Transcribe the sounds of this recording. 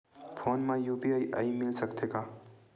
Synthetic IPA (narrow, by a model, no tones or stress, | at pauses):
pʰoːnmãjuːpiaːiʔa̰imɪlsɐkt̪eːɡaː